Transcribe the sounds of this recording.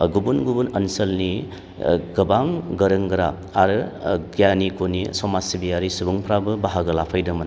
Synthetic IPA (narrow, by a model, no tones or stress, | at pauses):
ɡubunɡubunɐnsɐlni | ɡɐbaŋɡɐɾɯŋɡɯɾa̰ | aɾɯɡijanikonisɔmasibiaɾisubuŋpʰɾabɯbaɦaɡɐlapʰajdɐmɐn